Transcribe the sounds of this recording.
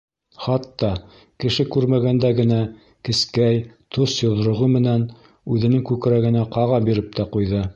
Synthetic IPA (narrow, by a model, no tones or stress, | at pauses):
χɑt̪ːɑ | kɘ̆ʃɘkʉɾmæɡænd̪æɡɘ̆næ | kɘ̆skæjt̪ʰosjŏð̆ɾŏʁɤmɘ̆næn | ʉðɘ̆nɘŋkʉk̆ɾæɡɘ̆næqɑʁɑbiɾɘp̚t̪ʰæqujðɤ